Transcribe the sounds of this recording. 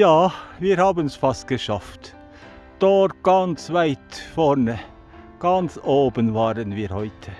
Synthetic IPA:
jɑːʋɪɾhɑːbənsfɑskəʃɑft̪ | d̪̥oːɾɡ̥ɑnsʋæɪt̪fɔɳə | ɡ̥ɑnsoːbənʋɑːɾənʋiːɾhœʏt̪ʰə

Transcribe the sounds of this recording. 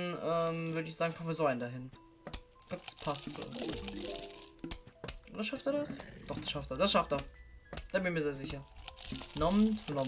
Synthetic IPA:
nʔɛːmvʏɐɾəɪçz̥aːɡŋ̩pʰɔ̥oviɐzoaɪndaɦɪn | ɪɡ̥laːb̥əd̥ḁspʰastː | ʔoːdasʃaftɛɐɾasd̥ɔχd̥asʃafteːɐdasʃaftɛːɐd̥aːbɪnçmiːɐzeːɐzɪçɐ | nɔmnnɔ

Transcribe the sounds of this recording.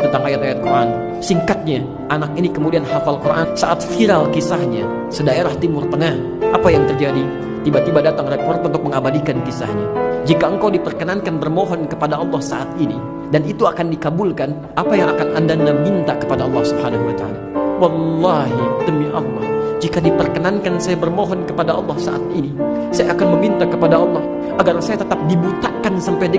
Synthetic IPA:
t̪ənt̪aŋajat̪ajat̪̚kuɾʔa̰n | siŋkat̪̚ɲa | ʔanak̚inikəmudianhafalkurʔa̰nsa̰ʔat̪̚fiɾalkisahɲa | sədaeɾaht̪imʊrt̪əŋah | ʔapajaŋt̪ərd͡ʒadi | t̪ibat̪ibadat̪aŋrepɔrt̪unt̪ʊk̚məŋabadikankisa̰hɲad͡ʒikaəŋkawdipərkənankanbərmoɦɔnkəpadaɑlˠːɑhsa̰ʔat̪ini | danit̪uakandikabulkan | ʔapajaŋakanandanamint̪akə̥padaɑlˠːɑhsubhanaɦuwat̪aa̰lawɑlːɑɦidəmiʔɑlːɑhd͡ʒikadipərkənankansajabərmoɦɔnkəpadaʔɑ̰lːɑhsa̰ʔa̰t̪̚ini | sajaːkanməmint̪akəpadaɑlːɑh | aɡarsajat̪ət̪ap̚dibut̪akansampajdə

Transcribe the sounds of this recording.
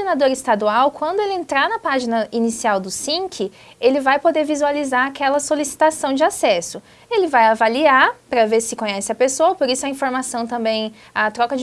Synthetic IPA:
enad̪oɾɪst̪ad̪uawkwɐ̃nd̪ʊelɪẽnt̪ɾanɐpaʒinɐinisiawd̪ʊsĩŋkʰɪ | elɪvajpod̪eɾvizualizaɾakɛlɐsolisi̥t̪asɐ̃w̃d͡ʒɪasɛsʊ | elɪvajavaliapɾɐveɾsɪkõɲɛsɪɐpesoɐpoɾisʊɐĩfoɾmasɐ̃w̃t̪ɐ̃mbẽj̃ | at̪ɾɔkɐd͡ʒ

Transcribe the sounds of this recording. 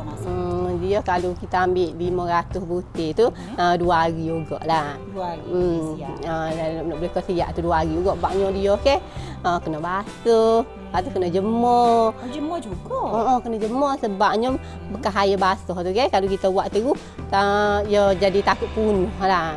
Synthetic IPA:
diɔhkalukit̪aambɪʔbimɔɾat̪usbut̪it̪u | əduaɣiuɡɔ̰ʔlah | əaʔnɔʔbləkɔsia̰ʔt̪uduaaɾiuɡɔʔbaʔɲɔdiɔhkɛh | əkənɔbasə | pat̪uhkənɔhd͡ʒəmɔd͡ʒəɔd͡ʒuɡɔɔʔɔkənɔd͡ʒəmɔhsəbap̚ɲɔ | bəkaɦajəbasɔht̪ukɛhkalukit̪əuwaʔt̪əɡuh | əjɔd͡ʒadit̪akuʔ̪̚punohla

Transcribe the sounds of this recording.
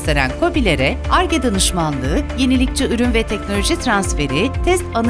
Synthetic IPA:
t̪eɾæ̰nkʰo̞bilʲe̞ɾɛaɾɟed̪anɯʃmanlˠɯːje̞nilʲic̚t͡ʃʰɛyɾynvɛt̪ʰɛcnolʲoʒit̪ʰɾansfe̞ɾit̪ʰɛst̪an

